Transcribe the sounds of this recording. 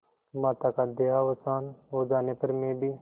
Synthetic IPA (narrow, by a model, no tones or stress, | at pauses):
maːt̪aːkaːd̪eːaːʋəsaːnoːd͡ʒaːnepəɾmẽːbiː